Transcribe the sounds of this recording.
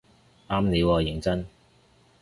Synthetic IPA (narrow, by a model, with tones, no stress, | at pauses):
aː˥mne˨˧jwaː˨˧jɪ˨˩ŋt͡sɐ˥n